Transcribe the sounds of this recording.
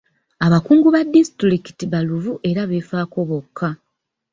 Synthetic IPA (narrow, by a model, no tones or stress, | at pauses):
aβakuːŋɡuβadːisi̥tɾiki̥tiβaluvuʔe̞ɾaβe̞faːko̞βo̞kʰːa